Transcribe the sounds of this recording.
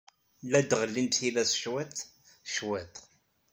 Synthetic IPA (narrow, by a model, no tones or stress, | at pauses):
læd̪ʁəlːinθilæsʃwæt̪ | ʃwæt̪